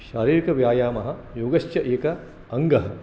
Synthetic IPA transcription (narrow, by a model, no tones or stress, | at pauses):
ʃaːɾiːɾikɐʋjaːjaːmɐɦɐ̆joːɡɐʃt͡ʃɐʔeːkɐ | ɐŋɡɐɦɐ